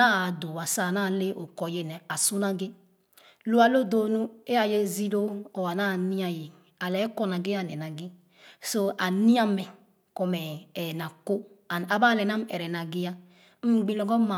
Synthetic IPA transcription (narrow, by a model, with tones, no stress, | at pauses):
a˦˨do˨wa˨sa˦˨na˦˨le˦ʔo˨kɔ˨je˨nɛ˨a˨su˦na˦ɡe˦ | lu˦a˨lo˦do˨nu˦e˦a˨je˦zi˦lo˦ɔ˨wa˨na˦˨ni˦a˨je˨ | a˨lɛ˨˦kɔ˦na˨ɡe˦a˦˨nɛ˨na˨ɡi˦ | so˦ʔa˨ni˦a˦mɛ˨ | kɔ˨mɛ˨na˨ko˦˨a˨ba˦˨lɛ˨na˦m̩˦ɛ˨ɾɛ˨na˨ɡi˦ja˦ | m̩˦ɡ͡bi˦lɔ˨˦ɡɔ˦ma˨